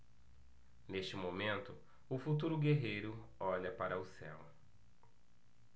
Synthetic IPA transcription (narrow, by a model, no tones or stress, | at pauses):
neʃt͡ʃɪmomẽnt̪ʊ | ʊfut̪uɾʊɡeɦejɾʊ | ɔʎɐpaɾʔɐʊsɛ̰w